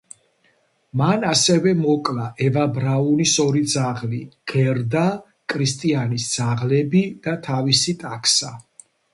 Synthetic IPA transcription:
manasɛvɛmɔkʼlaʔɛvabɾaunisɔɾid̪zaʁliɡ̥ɛɾd̪a | kʼʰɾist̪ʼianisd̪z̥aʁlɛbid̪̥at̪ʰavisit̪ʼakʰsa

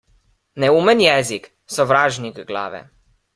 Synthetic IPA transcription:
nɛuːmənjɛːzik | sɔʋɾaːʒniɡɡla̰ːʋɛ̰

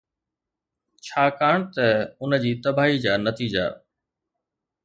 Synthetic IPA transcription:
t͡ɕʰaːkaːɽ̃t̪ɐʊnə̆d͡ʑiːt̪ɐbʱaːɦid͡ʑaːnɐt̪iːd͡ʑa̰ː

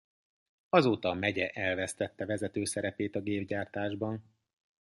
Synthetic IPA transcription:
ɒzoːt̪ɒmɛɟɛʔɛlvɛst̪ɛt̪ːɛvɛzɛt̪øːsɛɾɛpeːt̪ɒɡeːbɟaːrt̪aːʒbɒn

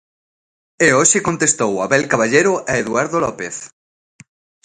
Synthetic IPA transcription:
eoʃikont̪est̪owaβelkaβaʎeɾoʔaeðuaɾðolɔpeθ

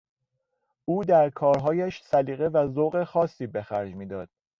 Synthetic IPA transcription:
ʔuːd̪æɾkʰɒːɾɦɒːjæʃsæliːɣe̞væzoɣexɒːsːiːbe̞xæɾd͡ʒmiːd̪ɒːd̪̥̚

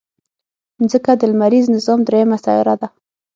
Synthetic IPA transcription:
nzəkad̪əlmaɾiznɪzɑmd̪ɾejamasɑ̰ɪ̰ɾad̪a

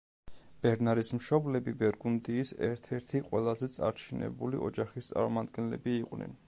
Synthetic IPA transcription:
b̥ɛɾnaɾismʃɔblɛbibɛɾɡund̪iːsɛ̰ɾt̪ʰɛɾt̪ʰiqʼwɛlˠazɛt̪sʼa̰ɾt͡ʃʰinɛ̰bulḭʔɔd͡ʒaχist̪sʼa̰ɾmɔmad̪ɡɛnlɛbiːqʼnɛ̰n

